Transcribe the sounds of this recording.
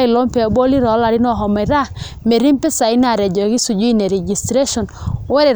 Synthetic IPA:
i˨lɔ˦mpɛ˨bɔ˦li˦ɾɔ˨˦la˨ɾi˦nɔ˦˨ɦɔ˨mɛ˨ɾa˦˨ | me˨ɾi˦mpɛ˦sa˨i˦na˨ɾɛ˨d͡ʒɔ˨ɣi˦su˨d͡ʒu˦i˦ne˨ɾɛ˨d͡ʒi˨stɾe˦ʃɔ˨nwɛ˦ɾɛ˨

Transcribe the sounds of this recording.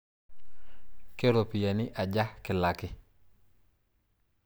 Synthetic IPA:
ke˦ɾo˨pi˨ja˨nɪ˦ʔa˨ɟa˦hkɪ˨la˨kɪ˦

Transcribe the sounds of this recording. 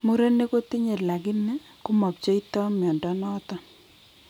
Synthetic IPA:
mu˦ɾe˦ne˦ko˦ti˦ɲe˨la˨kɪ˦nɛ˦ | kʊ˦mɔ˨pt͡ʃo˦i˦tɔ˦mjɔ˨ndɔ˦nɔː˦tɔ˦

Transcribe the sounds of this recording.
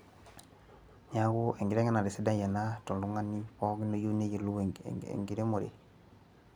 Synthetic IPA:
ɲaɡuʔe˨ŋɡi˨ɾe˦ŋa˦na˨ɾi˨si˦da˦ja˨na˦tu˨ldu˦ŋa˦nipɔ˦ɡi˦no˦jo˦ne˦je˨lṵḛ˨ŋɡi˨ɾe˦mo˨ɾḛ˨

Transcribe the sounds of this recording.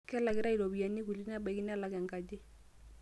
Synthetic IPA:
kɛ˦la˨kɪ˦ɾa˦i˨ɾo˨bi˨a˨ni˦ku˨li˦na˦ba˨ki˦n˦a˦la˨˦kɛ˨ŋka˨d͡ʒɪ˦

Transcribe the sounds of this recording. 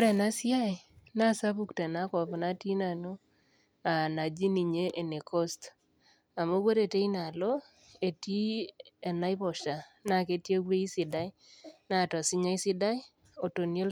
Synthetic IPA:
ɾɛ˨na˦sja˦e˨na˦˨sa˦bu˦˨ktɛ˨na˦kɔ˨pna˦ti˦na˨no˦ | a˨na˨d͡ʒi˦ni˨ɲe˦ʔe˨ne˨kʰo˦st | a˨mo˦ɡwo˦te˨te˦i˦na˨lɔ˦ | e˨ti˦e˨na˦ɪ˦pɔ˨ʃa˨na˦˨ke˦tje˦ɡwe˦i˦sɪ˨da˦j | na˦˨tɔ˨sɪ˦ɲa˦i˦sɪ˦da˦ɪ˦ | o˨to˨nje˦l

